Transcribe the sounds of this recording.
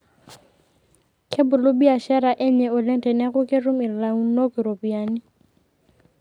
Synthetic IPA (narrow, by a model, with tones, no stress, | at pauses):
kʰɪ˦bʊ˨lʊ˦bi˦a˨ʃɛ˦ɾa˨ʔɪ˦ɲɛ˨ʊ˨lɪ˦ntʼɛ˨nɛ˦ɣʊ˦kʼɪ˦rʊ˦mɪ˨lla˨ŋ̩˦no˦kɪ˨ɾo˨bi˨aːnɪ˦